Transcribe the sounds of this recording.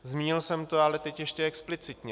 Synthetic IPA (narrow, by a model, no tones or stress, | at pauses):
zmʲiːɲɪlsɛmt̪oalɛt̪ɛcjɛʃcɛɛksplɪt͡sɪt̪ɲɛ